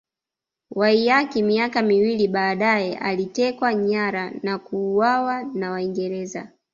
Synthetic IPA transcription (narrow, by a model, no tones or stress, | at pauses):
waijakimiakamiwiliɓaːɗajɛʔa̰litɛkwaɲaɾanakuːwawanawaiŋɡɛɾɛza̰